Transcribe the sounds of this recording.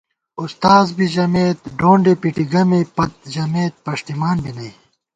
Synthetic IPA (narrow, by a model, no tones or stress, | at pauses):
ust̪aːzbiʑɐmeːt̪̚ɖoːɳɖepiʈiɡɐmepɐt̪̚d͡ʑɐmeːt̪̚pɐʂt̪imaːnbʱinɐi